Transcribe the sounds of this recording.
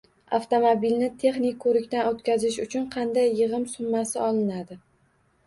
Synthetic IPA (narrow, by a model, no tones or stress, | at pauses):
a̰ft̪omobilnɪt̪ʰe̞χnɪkʲkːʰɵɾɪkʲt̪anot̪kʲazɪʃʊt͡ʃʰʊnqʰɑnd̪ajːɨʁɨmsʊmːasɪɒlˠɪnad̪ɪ